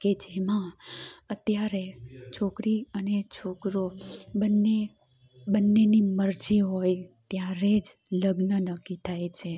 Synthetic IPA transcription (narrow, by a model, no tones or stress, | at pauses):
ked͡ʒemãət̪jaɾet͡ʃʰokɾiənet͡ʃʰokɾobənːe | bənːeniməɾd͡ʒiɦojt̪jaɾed͡ʒ | ləɡnənəkːit̪ʰajt͡ʃʰe